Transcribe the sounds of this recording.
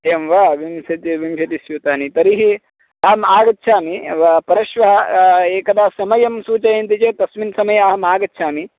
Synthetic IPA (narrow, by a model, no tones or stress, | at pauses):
emʋaːʋimʃɐt̪iʋimʃɐt̪isjuːt̪aːnit̪ɐɾiɦi | ɐɦɐmaːɡɐt̪ːʃʰaːmiʋpɐɾɐʃʋɐɦɐeːkɐd̪aːsɐmɐjɐmsuːt͡ʃɐjeːnt̪it͡ʃeːt̪ɐsminsɐmɐjɐɐːɐmaːɡɐt̪ːʃʰaːmi